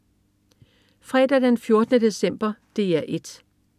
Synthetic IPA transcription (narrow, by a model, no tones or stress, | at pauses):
fʁɛːd̥æd̥enfjo̝ɐd̥ənəd̥e̝sem̰b̥ɐd̥e̝æɐʔe̝d̥